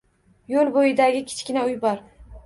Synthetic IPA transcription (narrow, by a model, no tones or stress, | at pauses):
jolˠbojɪd̪aɡʲɪkʲʰɪ̥t͡ʃkʲɪnaʊjbɒɾ